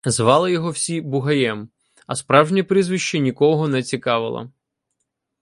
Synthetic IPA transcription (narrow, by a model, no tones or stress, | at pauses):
zʋɑlˠɪjɔɦɔwsʲibʊɦɐjɛm | ɐspɾɑwʒnʲipɾizʋɪʃt͡ʃinʲikɔɦɔnɛt͡sʲikɑʋɪ̰lˠɐ̰